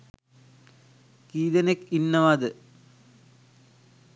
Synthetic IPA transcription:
kiːd̪ɐnekinːɐʋad̪ɨ

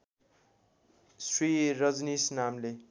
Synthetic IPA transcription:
sriɾʌd͡znisnamle

